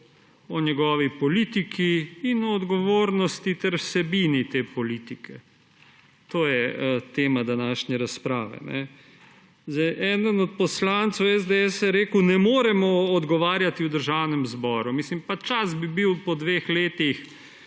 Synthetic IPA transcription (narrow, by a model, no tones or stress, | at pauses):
ɔɲjɛɡɔːʋipɔliːt̪ikʰiːnɔːd̪ɡɔʋoːɾnɔst̪it̪ɛɾwsɛbiːnit̪eːpɔliːt̪ikʰɛ | t̪oːjɛət̪eːmad̪anaːʃnɛɾaspɾaːʋɛ̰nɛ̰ | zɛjʔɛːd̪ənɔt̪̚pɔslant̪sɔwɛzd̪eɛsjɛɾeːkəwnɛmoːɾɛmɔːd̪ɡɔʋaːɾjat̪iwd̪əɾʒawnɛmzbɔːɾumiːslimpat͡ʃasbibiwpɔd̪ʋeːxleːt̪ix